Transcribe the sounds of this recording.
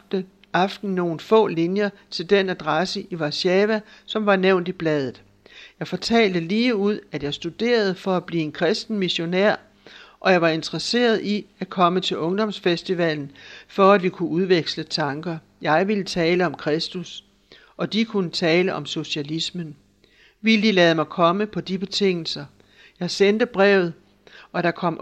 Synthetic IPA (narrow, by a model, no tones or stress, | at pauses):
ɑ̈fd̥n̩no̝ːn̩fɔ̰̽ːlinjɐt͡sʰe̝ld̥enæd̥ʁɑsəʔiʋɑ̈ɕɛːʋæsɒ̽mʋɑ̈neʊ̰nd̥ib̥lɛð̞ˠð̩ˠ | jɑ̈ɪfɒ̽t͡sʰɛ̰ːld̥əliːuð̞̰ˠæd̥jɑ̈ɪsd̥ud̥e̝̰ːɐð̞̩ˠfɒ̽æb̥liːe̝nkʰʁɛsd̥n̩miɕo̝næɐ̰ | ʔɒ̽jɑ̈ɪʋɑ̈e̝nd̥ʁɐse̝̰ːɐðˠiækʰɒ̽mət͡sʰe̝lʔɔ̽ŋd̥ɒ̽msfesd̥iʋɛln̩fɒ̽æd̥ʋikʰuʔuð̞ˠʋeɡ̥slət͡sʰɑ̈ŋɡ̥ɐ | jɑ̈ɪʋilət͡sʰɛːləɒ̽mkʰʁɛsd̥us | ʔɒ̽d̥ikʰunət͡sʰɛːləʔɒ̽mso̝ɕælismən | ʋiləd̥ilɛːð̞̩ˠmɑ̈ɪkʰɒ̽məpʰɒ̽d̥ib̥e̝t͡sʰe̝ŋ̰l̩sɐ | jɑ̈ɪsend̥əb̥ʁɛʊð̞̩ˠ | ʔɒ̽ɾ̥ɑ̈kʰɒ̽m̰